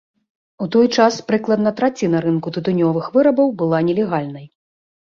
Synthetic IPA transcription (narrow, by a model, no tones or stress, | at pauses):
ut̪ɔjt͡ʂaspɾɨklˠɐd̪nɐt̪ɾat͡sʲinɐɾɨnkut̪ɨt̪unʲɔvɨxvɨɾɐbɐwbɨlˠanʲɛlʲɛɣalʲnɐj